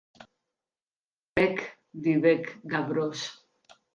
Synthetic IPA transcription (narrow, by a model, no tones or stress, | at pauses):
pek | d̪iβekɡaβɾos